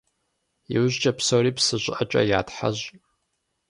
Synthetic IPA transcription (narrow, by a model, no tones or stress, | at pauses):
iwʊʑt͡ʃʼɐpsoriːpsɨɕʷʼʔɐt͡ʃʼɐ̰jaːtħa̰ʑ